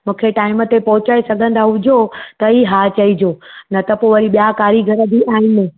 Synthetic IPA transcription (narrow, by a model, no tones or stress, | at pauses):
mũːkʰeʈaːɪmət̪epɐɦʊt͡ɕaːesɐɡʱə̃n̆d̪ʱaɦʊd͡ʑʱot̪ɐiɦaːt͡ɕɐid͡ʑoːnɐt̪ɐpoʋɐɾiɓijakaːɾiɡʱɐɾəd̪iʔaːɦɪnɪ